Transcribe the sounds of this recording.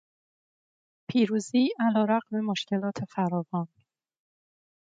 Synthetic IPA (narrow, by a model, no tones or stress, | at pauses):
pʰiːɾuːziːʔælɒːɾæɣme̞moʃcʰe̞lɒːt̪ʰe̞fæɾɒːvɒːn